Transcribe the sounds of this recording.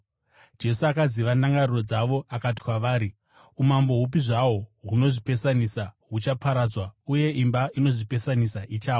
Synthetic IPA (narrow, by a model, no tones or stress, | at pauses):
d͡ʒe̞suakaziʋanaŋɡariro̞d͡zaʋo̞akat̬i̥kwaʋaːɾi | umambo̞ɦup̬iʐawo̞ɦuno̞ʐipe̞sanisaɦut͡ʃapʰaɾad͡zwauje̞ʔimbaino̞ʐipe̞sanisaʔit͡ʃaːwo